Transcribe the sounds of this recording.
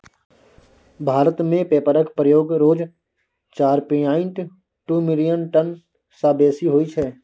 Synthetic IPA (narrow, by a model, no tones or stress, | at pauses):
bʱaːɾət̪mẽpeːpəɾəkpɾəjoːɡɾoːd͡ʒ | t͡ʃaːɾpinaːɪ̃ɳʈ | ʈuːmɪlijənʈən | saːbeːsiɦoːit͡ʃʰɛː